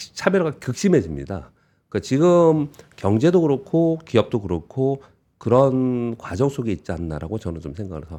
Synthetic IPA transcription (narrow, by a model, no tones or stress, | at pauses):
t͡ɕʰabjʌɡakɯk̚ɕ͈imɦe̞d͡ʑimɲḭda̰ | kat͡ɕiɡɯmkjʌŋd͡ʑe̞doɡɯɾʌkʰokiʌp̚t͈oɡɯɾʌkʰo | kɯɾʌnkwad͡ʑʌŋs͈ʰoɡeit̚t͡ɕ͈iandaɾa̰ɡot͡ɕʌnɯnt͡ɕomsʰe̞ŋɡaɡʰaɭsʰʌ